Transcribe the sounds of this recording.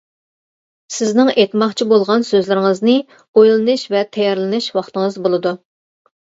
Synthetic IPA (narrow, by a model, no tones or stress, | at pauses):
sɪznɪŋet̪mɑχt͡ʃʰibolˠʁɑnsøzlɪɾɪŋəznɨ | ojlˠɨnɨʃvɛt̪ʰɛjɛɾlˠɪnɨʃwɑχt̪ɨŋəzbolˠɨd̪u